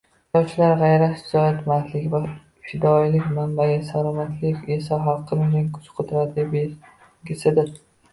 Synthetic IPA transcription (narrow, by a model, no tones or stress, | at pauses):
t̪ɒwt͡ʃʰɪlaɾʁajɾaɪzɒjat̪mat̪lɪkʲva | fɪd̪ɒjlɪkʲmambaɡʲasalɒmat̪ʰlɪkʲesaɦɒqʰːɨmɪnɪŋkʰʊ̥t͡ʃqʰot̪ʰɾad̪ɪb | ɡʲɪsɪd̪ɪ